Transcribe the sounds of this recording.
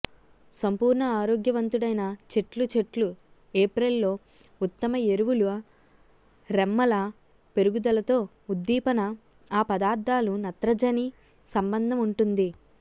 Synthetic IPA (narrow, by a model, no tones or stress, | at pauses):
sɐmpuːɾɳɐaːɾoːɡjɐʋɐnt̪uɽɐjnɐt͡ʃe̞ʈlut͡ʃe̞ʈlu | eːpɾelːo̞ː | ut̪ːɐmɐeɾuʋuluɐ | ɾemːɐlɐ | pe̞ɾuɡud̪ɐlɐt̪o̞ː | ud̪ːiːpɐnɐ | aːpɐd̪aːɾd̪ʱaːlunɐt̪ɾɐd͡ʒɐni | sɐmbɐnd̪ʱɐmuɳʈund̪i